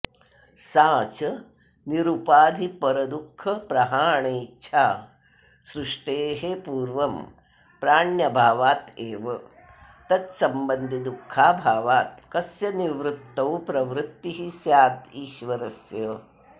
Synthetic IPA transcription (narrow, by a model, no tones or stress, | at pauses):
saːt͡ʃɐ | niɾupaːd̪ʱipɐɾɐd̪ukʰːɐpɾɐɦaːɳeːtːʃʰaː | sɾuʂʈeːɦepuːɾʋɐm | pɾaːɳjɐbʱaːʋaːt̪eːʋɐ | t̪ɐt̪sɐmbɐnd̪ʱid̪ukʰːaːbʱaːʋaːt̪̚kɐsjɐniʋɾut̪ːɐwpɾɐʋɾut̪ːiɦisjaːt̪iːʃʋɐɾɐsjɐ